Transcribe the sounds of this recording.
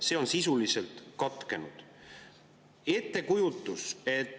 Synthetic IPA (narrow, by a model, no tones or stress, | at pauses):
se̞ːo̞nsisulise̞lt̪kɑt̪ˑke̞nud̪̥ | e̞t̪ːˑe̞kujut̪ːˑuse̞t̪ː